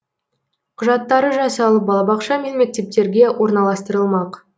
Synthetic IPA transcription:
qʰʊʒɑt̪ːɑɾəʒɑsɑlˠəp̚bɑlˠɑbɑqʃɑmenme̞k̚t̪e̞p̚t̪e̞ɾɡʲe̞wo̞ɾnɑlˠɑst̪əɾəlˠmɑq

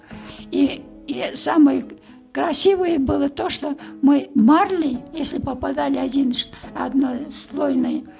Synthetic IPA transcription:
i | samɨjə | kɾɐsʲivɨjəbɨlˠət̪oʂt̪omɨmarlʲɪjesʲlʲɪpəpad̪alʲɪɐdʲinʂɐ̰d̪nojslˠojnɨjə

